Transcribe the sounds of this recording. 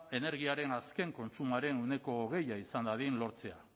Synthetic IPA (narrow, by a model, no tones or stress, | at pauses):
e̞ne̞ɾɣ̞iaɾe̞naske̞ŋko̞nt͡ʃumaɾe̞nune̞ko̞ːɣe̞jaisand̪aðinlo̞ɾt͡se̞a